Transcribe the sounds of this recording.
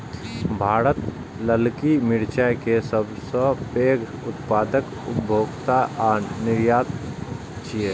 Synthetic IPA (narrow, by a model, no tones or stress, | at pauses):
bʱaːɾət̪ | ləlkimɪɾt͡ʃajkesəbsə̃peːɡʊt̪paːd̪ək | ʊ̰bʱoːɡt̪aʔnɪɾjaːt̪ | t͡ʃie